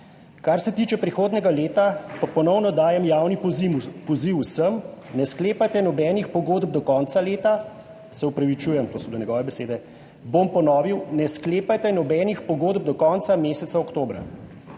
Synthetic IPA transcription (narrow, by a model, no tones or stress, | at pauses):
kaɾsɛt̪iːt͡ʃɛpɾixoːd̪nɛɡaleːt̪apapɔnɔwnɔd̪aːjɛmjaːwnipɔziwusəmnɛskleːpajt̪ɛnɔbɛːnixpɔɡoːd̪b̚d̪ɔkɔnt̪saleːt̪a | sɛupɾaʋit͡ʃujɛmt̪osɔd̪ɔnʲɛɡɔːʋɛbɛseːd̪ɛ | bompɔnɔːʋiwnɛskleːpajt̪ɛnɔbɛːnixpɔɡoːd̪b̚d̪ɔkɔːnt̪sameːsɛt̪saɔkt̪oːbɾa̰